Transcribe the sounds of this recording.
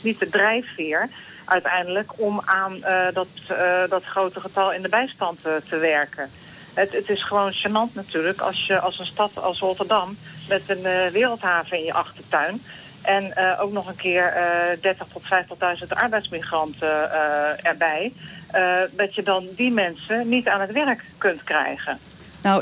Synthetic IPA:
nitədrɛjffɪɹ | ʔœɥtɛjndələkɔmaːndɔtdɔtχrowtəχətɑlˠɪndəbɛjstɑnttəʋɛɹkʰən | ɦɛətɪsχəʋownʃanɑntnatyːləkɑ̰lˠsjəʔɑlˠsənstɑtɑ̰lˠsrotəɹdɑmmɛtənʋɪːrəlˠtɦaːvəɪnjəʔɑχtətœɥn | ʔɛnəʔowknɔχənkɪːɹdɛɹtəχtɔtfɛjftəχdœɥzəntɑ̰ɹbɛjtsmiχrɑntə | ɛɹbɛj | dɑtjədɑndimɛnsənitaːnɦətʋɛrkːɵntkrɛ̰jχən | na

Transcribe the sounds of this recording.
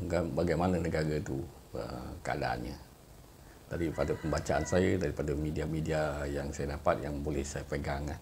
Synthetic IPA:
ɡanbaɡajmanənəɡaɾət̪ṵ | ə̰kəa̰da̰ʔa̰nɲə̰ | t̪adipadəpəmbat͡ʃaʔansajədaɾipadəmidiamidiajaŋsajədapat̪̚jaŋbolɛhsajəpəɡaŋa

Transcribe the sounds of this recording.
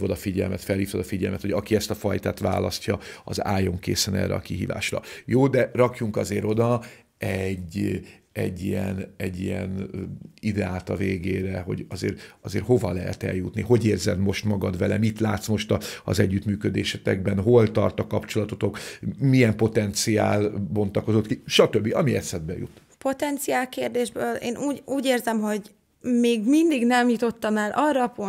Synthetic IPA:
vod̪ɒfiɟɛlmɛt̪fɛlhiːft̪od̪ɒfiɟɛlmɛt̪ho̞ɟɒkiɛst̪ɒfɒjt̪aːt̪ʋa̰ːlɒscɒɒza̰ːjo̞ŋkḛːsɛnɛ̰ːrːɛ̰ɒkiɦiːva̰ːʃrɒ̰joːd̪ɛrɒkjuŋkɒzeːɾo̞d̪ɒ | ɛɟ | ɛ̰ɟːijɛnɛɟːijɛnid̪ɛaːt̪ɒveːɡeːɾɛɦo̞̰ɟɒzḛːɾɒzeːrho̞vɒlɛɦɛ̰t̪ɛ̰ljut̪niɦo̞ɟeːrzɛd̪mo̞ʃt̪mɒɡɒd̪ʋɛlɛmit̪laːt̪smo̞ʃt̪ɒɒ̰zɛɟːyt̪myːkød̪eːʃɛt̪ɛ̰ɡ̚bɛnɦo̞lt̪ɒrt̪ɒkɒpt͡ʃo̞lɒt̪ot̪o̞kmiɛmpo̞t̪ɛnt̪sia̰ːlbo̞nt̪ɒko̞zo̞t̪kiʃɒt̪øbːiɒmiɛt̪sɛd̪̚bɛ̰jṵt̪ | po̞t̪ɛnt̪siaːlkeːrd̪eːʒbøːleːnʔuːɟuːɟeːrzɛmɦo̞ɟ | meːɡmind̪iɡnɛmjut̪o̞t̪ːɒmɛlʔɒrɒːpo

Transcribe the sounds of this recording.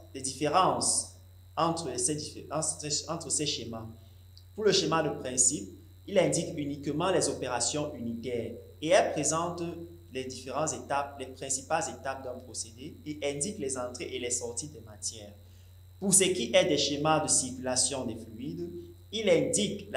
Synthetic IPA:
d̪ɛd̪ifeʁɑ̃s | ɑ̃t̪χəsɛd̪ĩɛɑ̃t̪χəsɛʃema | puʁləʃemad̪əpχɛ̃sip̚ | ilɛ̃d̪ikynikəmɑ̃lɛzopeʁasjɔ̃ʔynit̪ɛːʁ | eɛlpχezɑ̃t̪ | lɛd̪ifeʁɑ̃zet̪ap̚lɛpχɛ̃si̥palzet̪ap̚d̪ɛ̃pχosed̪eeɛ̃d̪iklɛzɑ̃t̪χeʔelɛsɔʁt̪id̪ɛmat̪jɛːʁ | puʁsəkiʔɛd̪ɛʃemad̪əsiʁkylasjɔ̃d̪ɛflyid̪ | ilɛ̃d̪ikl

